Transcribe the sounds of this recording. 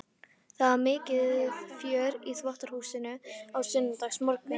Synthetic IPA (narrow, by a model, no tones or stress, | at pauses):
θaðamɪːcɪðfjœːɾiθvɔht̪aɾ̥huːsɪnʏawsʏnːɪt̪axsmɔlkʏ